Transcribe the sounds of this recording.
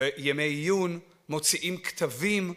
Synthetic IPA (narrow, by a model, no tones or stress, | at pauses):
jemejjun | mot͡siʔimkt̪ʰavim